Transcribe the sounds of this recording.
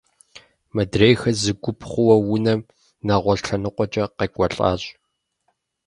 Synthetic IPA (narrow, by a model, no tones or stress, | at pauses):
mɐdreːjxɐzɨɡʷʊpχʷʊwɐwʊnɐm | nɐʁʷɔɮɬɐnɨqʷɔt͡ʃʼɐqɐkʷʼɔɬʼa̰ːɕʼ